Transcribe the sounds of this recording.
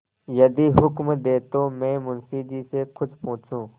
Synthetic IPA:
jɐd̪iːɦʊkmd̪eːt̪oːmɛ̃ːmʊnsiːd͡ʒiːsekʰʊt͡ʃpʊ̃ːt͡ʃʰũː

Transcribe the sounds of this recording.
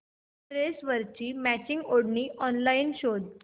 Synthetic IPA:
ɾesʋəɾt͡ɕiːmæt͡ɕĩŋɡoɽniːʔɔnlainɕod̪

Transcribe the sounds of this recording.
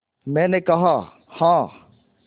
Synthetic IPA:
mɛ̃ːnekɐɦa | hãː

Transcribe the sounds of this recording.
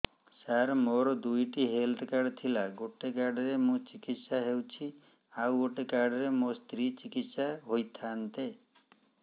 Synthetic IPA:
saɾmoɾɔd̪ujʈiɦelt̪ʰkaɾɖt̪ʰilaɡoʈekaɾɖɾemũt͡ʃikit̪saɦewt͡ʃʰi | awɡoʈekaɾɖɾemost̪ɾit͡ʃikit̪saɦojt̪ʰant̪e

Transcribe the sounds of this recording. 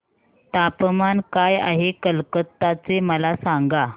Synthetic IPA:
t̪apmankaja̰ɦekəlkət̪ːat͡seməlasaŋɡa

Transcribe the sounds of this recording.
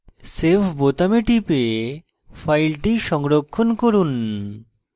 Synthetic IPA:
sepʰbot̪ameʈipee | fʰajlʈiʃɔŋɾokʰːonkoɾun

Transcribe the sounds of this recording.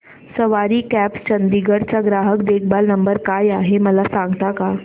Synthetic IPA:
səʋaɾiːkæpst͡ɕənd̪iɡəɽt͡saɡɾaɦəkd̪ek̚ʰbalnəmbəɾkajaɦeməlasãŋɡt̪aka

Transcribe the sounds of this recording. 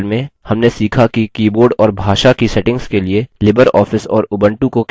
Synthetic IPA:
lmẽhɐmnesiːkʰakikiːboːɾɖɔːɾbʱaːʃakisɛʈɪ̃ŋɡskelielɪbəɾɔːfɪsɔːɾʊbə̃ɳʈũkok

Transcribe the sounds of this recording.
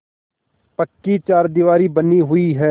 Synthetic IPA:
pəkːit͡ʃaːɾd̪iʋaːɾibəniɦʊiɦɛː

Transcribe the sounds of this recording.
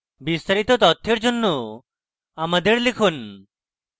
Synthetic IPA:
bist̪aɾit̪ot̪ɔt̪ʰːeɾd͡ʒonːo | amad̪eɾlekʰun

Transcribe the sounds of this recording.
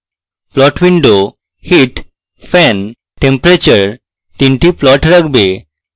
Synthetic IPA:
plɔʈʋiɳɖo | hiʈ | fɛn | ʈempɾet͡ɕəɾ | ʈĩɳʈiplɔʈɾəɡbe

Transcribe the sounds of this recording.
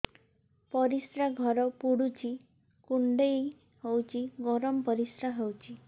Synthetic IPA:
pɔɾisɾaɡʱɔɾɔpuɽut͡ʃʰi | kuɳɖej | hewt͡ʃʰiɡɔɾɔmpɔɾisɾaɦewt͡ʃʰi

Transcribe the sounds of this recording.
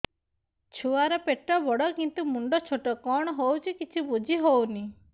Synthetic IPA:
t͡ʃʰuaɾɔpeʈɾɔbɔɽɔkint̪umuɳɖɔt͡ʃʰoʈɔkɔɽ̃ɔɦowt͡ʃʰikit͡ʃʰibud͡ʒʱiɦowni

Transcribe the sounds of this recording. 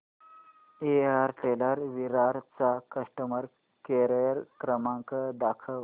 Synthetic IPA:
eaɾʈeləɾʋiɾaɾt͡sakəʂʈəməɾ | keɾəjəɾkɾəmaŋkəd̪akʰə

